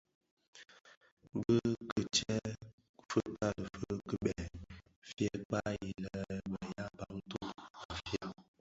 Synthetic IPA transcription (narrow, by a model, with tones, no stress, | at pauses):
ɡə˦kə˨t͡ʃɛ˦ | fə˦ka˦lə˨fə˦kə˦ɓɛ˨ | fjɛ˦k͡pa˦ji˨lə˨˦ɓə˨ja˦pa˦ŋ˦tu˦ka˨fja˦